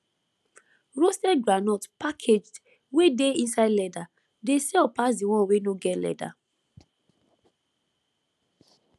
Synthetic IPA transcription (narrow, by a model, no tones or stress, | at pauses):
ɹostɛɡɹanɔtpakʰed͡ʒd | wedeĩnsadlɛda | desɛɔpas̬diw̃ɔ̃nwenoɡɛtlɛ̰da̰